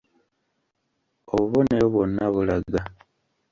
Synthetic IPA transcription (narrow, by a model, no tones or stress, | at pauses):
oβuβo̞ne̞ɾoβwo̞nːaβulaɡa